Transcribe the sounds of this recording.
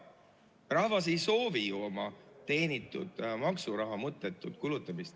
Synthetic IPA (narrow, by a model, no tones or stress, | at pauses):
rɑhvɑs̬e̞jso̞ːvijuo̞mɑt̪e̞ːnit̪ːˑṵd̪̥mɑksuɾɑɦɑmɤt̪ːˑe̞t̪ːˑud̪̥kulut̪ːˑɑmist̪